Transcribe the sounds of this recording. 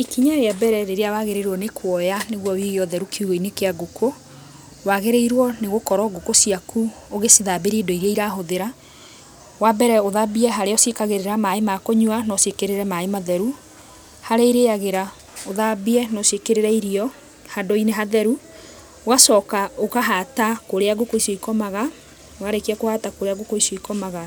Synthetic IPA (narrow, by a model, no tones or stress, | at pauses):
ikiɲaeabɛɾɛɾeɾeawaɣeɾeɾwɔnekwɔjaneɣwɔwiɣiɔðɛɾukʰeuɣɔinekeaɡokʰo | waɣeɾeiɾwɔneɣokɔɾɔɡokosiaku | oɣesiðabeɾidɔiɾiaiɾaɦoðeɾa | wabɛɾɛoðabiɛɦaɾeɔsekaɣeɾeɾamaemakoɲuanɔsekeɾeɾɛmaemaðɛɾu | haɾeːɾeaɣeɾa | oðabiɛnɔsekeɾeɾɛiɾiɔ | hadoineɦaðɛɾu | oɣasɔːkaokaɦatakoɾeaɣokoisoikɔmaɣa | waɾekiakohatakoɾeaɣokoisoikɔmaɣa